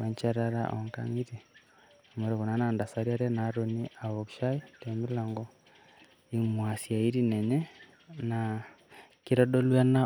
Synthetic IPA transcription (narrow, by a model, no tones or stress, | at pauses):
waɲt͡ʃaɾaɾa̰ʔɔ̰ŋka̰ŋiɾi | mɔɾɛkunanandasaɾiaɾɛnaɾɔniaβɔkʃaitɛmilaŋɡɔ | imwasjaiɾinɛɲɛ | na | kiɾɔdɔlwana